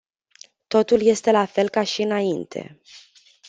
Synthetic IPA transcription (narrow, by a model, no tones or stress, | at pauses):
t̪o̞t̪ulje̞st̪e̞lafe̞lkaʃiɨnaint̪ʰe̞̰